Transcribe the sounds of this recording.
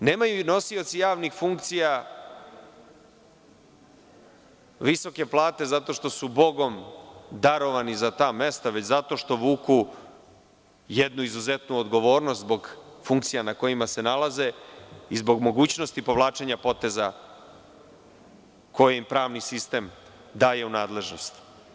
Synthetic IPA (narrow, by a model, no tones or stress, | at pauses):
ne̞ːmajuno̞sio̞t̪sijaːʋnixfuŋk̚t̪sija | ʋiso̞ke̞plˠaːt̪e̞zat̪o̞ʃt̪o̞subo̞ɡo̞md̪aɾo̞ʋanizat̪aːme̞st̪aʋe̞t͡ɕzat̪o̞ʃt̪o̞ʋuːku | jed̪nuizuze̞t̪nuod̪ɡo̞ʋo̞ːɾnost̪zbo̞ɡfuŋkt̪sijanako̞jimase̞nalˠaze̞izbo̞ɡmo̞ɡuːt͡ɕno̞st̪ipo̞ʋlˠaːt͡ʃe̞ɲapo̞t̪e̞za | ko̞jeimpɾaːʋnisist̪e̞m | d̪aːje̞unaːd̪le̞ʒno̞st̪